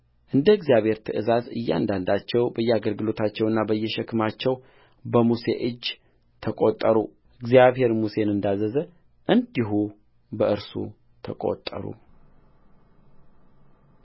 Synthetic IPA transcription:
ʔɨnd̪əɨɡzijaβhe̞ɾt̪ʰɨʔɨzazɨjːɛa̰nd̪and̪at͡ʃːɛwbəjːɛaɡəlɡɨlo̞t̪ʰat͡ʃːɛwɨnːabəjːɛʃɛkʰɨmat͡ʃːɛw | bəmusḛʔɨd͡ʒː | t̪ʰəkʼot̪ʼːəɾṵ | ɨɡzijaβhe̞ɾmuse̞nɨnd̪azəzə | ʔɨnd̪iɦu | bəʔɨɾsṵ | t̪ʰəkʼo̰t̪ʼːə̰ɾṵ

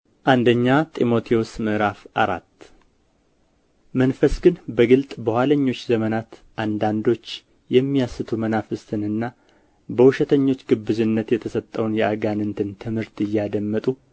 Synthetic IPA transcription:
ʔand̪əɲːat̪ʼimo̞t̪ʰiosmɨʔɾafʔaɾat̪ː | mənfəsɡɨnbəɡɨlt̪ʼbəhaləɲːo̞t͡ʃːzəmənat̪ | ʔand̪and̪o̞t͡ʃː | jɛmːijasɨt̪ʰumənafɨst̪ʰɨnɨnːa | bəhuʃɛt̪ʰəɲːo̞t͡ʃːɡɨbːɨzɨnːət̪jɛt̪ʰəsət̪ʼːəwnjɛʔaɡanɨnt̪ʰɨnt̪ʰɨmhɨɾt̪ɨjːad̪əmːət̪ʼu

